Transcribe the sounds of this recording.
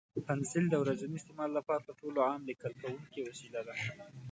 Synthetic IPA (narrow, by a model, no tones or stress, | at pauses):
pansɪld̪əwɾazaniɪst̪ɪmɑlːapɑɾapəɾʈoloʕamlɪkəlkawuŋkewasilad̪a